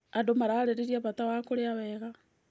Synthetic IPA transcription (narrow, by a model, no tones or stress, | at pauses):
adomaɾaːɾeɾeɾiaβatawakoɾeaβɛɣa